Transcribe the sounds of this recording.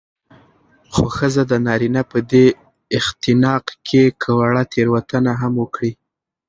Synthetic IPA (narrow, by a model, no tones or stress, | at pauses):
xoxəzad̪ənɑɾinapəd̪e | ɪxt̪ɪnɑqkʰekʰəwaɽat̪ʰeɾwat̪ənaɦamwəkɽi